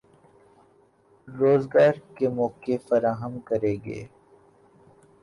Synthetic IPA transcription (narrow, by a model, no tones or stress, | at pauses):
ɾoːzɡaːɾkemɔːkefɐɾaːɦəmkɐɾeːɡḛː